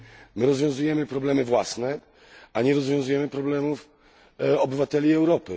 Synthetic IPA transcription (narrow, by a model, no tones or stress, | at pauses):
mɘɾɔzvʲjɔ̃w̃zujɛmɘpɾɔblɛmɘvwasnɛ | ʔaɲɛɾɔzvjɔ̃w̃zujɛmɘpɾɔblɛmuf | ɔbɘvat̪ɛlʲiɛwɾɔpɘ